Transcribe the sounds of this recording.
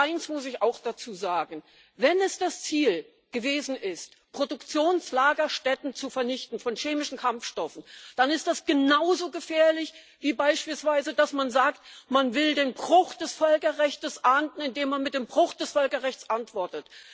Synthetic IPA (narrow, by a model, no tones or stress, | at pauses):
ʔaɪnsmʊsɪçaʊxd̥at͡suːzaːɡŋ̩ | vɛnɛsd̥ast͡siːl | ɡ̥əveːzn̩ʔɪst | pʁ̥odʊkt͡sjoːnslaːɡɐʃtɛtn̩t͡sufɛɐnɪçtn̩fɔnʃeːmɪʃn̩kʰamfʃtɔfn̩d̥anɪst̚d̥asɡ̥ənaʊzoːɡəfɛːɐlɪç | v̥iːbaɪʃpiːlsv̥aɪzədasmanzaːktmanvɪldeːnbʁʊxd̥ɛsfœlkɐʁɛçtəsʔaɐntn̩ɪndeːmːanmɪt̚d̥eːmbʁʊxd̥ɛsfœlkɐʁɛçt͡sʔantv̥ɔɐtət